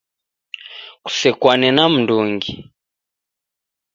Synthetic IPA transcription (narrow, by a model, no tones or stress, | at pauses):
ku̥sɛkwanɛnam̩nduŋɡi